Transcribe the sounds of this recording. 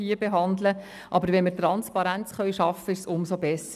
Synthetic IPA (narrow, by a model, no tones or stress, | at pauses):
iəbeɦɑnd̪lə | ʔɑbəɾʋɛnməɾtrɑnspɑɾænt͡sχœʏʃɑfəɪʃsʊmsobɛsə